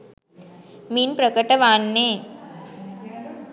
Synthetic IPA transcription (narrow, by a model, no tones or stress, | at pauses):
miːnpɾɐkɐʈːɐʋaːnːeː